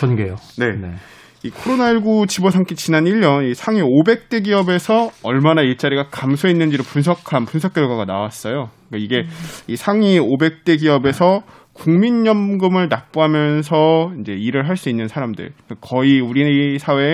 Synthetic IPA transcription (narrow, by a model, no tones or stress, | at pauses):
t͡ɕʌnɡejone̞ | ikʰoɾonaiɭɡut͡ɕibosʰaŋkʰit͡ɕinaniʎːʌnisʰaŋiobe̞k̚t͈e̞ɡiʌbe̞sʰʌʌɭmanaiɭt͡ɕ͈aɾiɡakamsʰoinːɯnd͡ʑiɾopunsʰʌkʰanpunsʰʌk͈̚jʌɭɡwaɡanawas͈ʌjo | k͈aiɡe̞isʰaŋiobe̞k̚t͈e̞ɡiʌbe̞sʰʌ | kuŋmiɲːʌmɡɯmɯɭnak̚p͈uɦamjʌns̬ʰʌind͡ʑe̞iɾɯɭɦaɭs͈uinːɯnsʰaɾamdɯ̰ɭkʌiuɾiisʰawe̞